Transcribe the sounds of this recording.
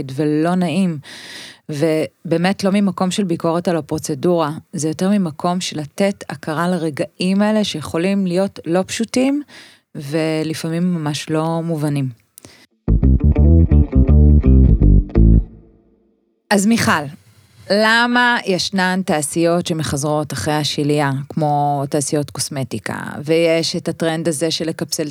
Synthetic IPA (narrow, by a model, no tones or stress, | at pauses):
dvelo̞naim | vebe̞ːmetlo̞mimako̞mʃelbiko̞ʁetalapʁo̞t͡se̞duʁazejo̞teʁmimakʰo̞mʃelatetʰa̰kaʁalaʁeɡaʔimaele̞ʃejeχo̞limlijo̞tlo̞pʃutim | velifamimːamaʃlo̞muvanim | ʔazmiχal | lamajeʃnantaːsijo̞tʃe̞meχazʁo̞taχʁejhaʃiliakmo̞taːsijo̞tko̞sme̞tika̰vejeʃetatʁe̞ndazeʃele̞kapt͡sel